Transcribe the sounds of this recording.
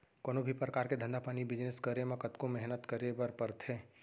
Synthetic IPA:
koːnobʱipɾəkaːɾked̪ʱə̃nd̪apaːnibɪd͡ʒnɪskəɾemãkət̪komɛɦnət̪kəɾebəɾpəɾt̪ʰeː

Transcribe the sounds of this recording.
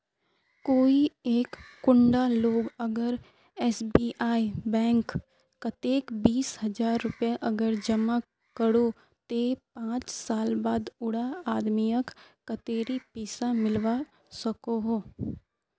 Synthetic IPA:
koːieːkːʊ̃ɳɖaloːɡəɡəɾ | ɛːsbiːʔaːibɛ̃ːŋkː | ət̪eːkbiːshɐd͡ʒaːɾːʊpjaʔɐɡəɾd͡ʒəma | kəɽo | t̪epãːt͡ʃsaːlbaːd̪ʊɽaaːd̪mijəkː | ət̪eːɾipiːsamɪlʋa | səkoɦoː

